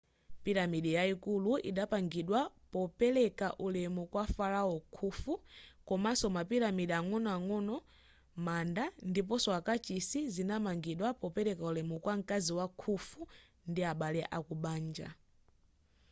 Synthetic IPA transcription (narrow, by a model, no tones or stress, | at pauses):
piɾamiɗijaikuluḭɗapaŋɡiɗwa | pɔpɛlɛkaʔulɛmukwafalaɔkʰufukɔmasɔmapiɾamiɗiaŋɔnɔaŋɔnɔ | mandandip̬ɔsɔakat͡ʃisizinamaŋɡiɗwapɔpɛlɛkaulɛmukwaŋ̩kaziwakʰufu | ndiaɓalɛʔakuɓaːnd͡ʒa̰